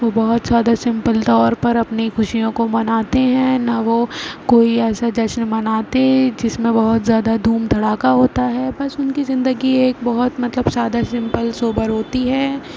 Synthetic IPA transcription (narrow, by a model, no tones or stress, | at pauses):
ʋobɔɦʊt̪z̥jaːd̪asɪ̃mpəlt̪ɔːɾpɐɾɐpnixʊʃijõkomɐnaːt̪eɦɛ̃ːnaʋokoːiɛːsad͡ʒɐʃnmɐnaːt̪ed͡ʒɪsmẽbɐɦʊt̪zjaːd̪ad̪ʱuːmd̪ʱɐɽaːkaɦoːt̪aɦɛːbɐsʊnkizɪ̃nd̪əɡieːk̚bɐɦʊt̪mɐt̪ləbsaːd̪asɪ̃mpəlsoːbəɾɦoːt̪iɦɛː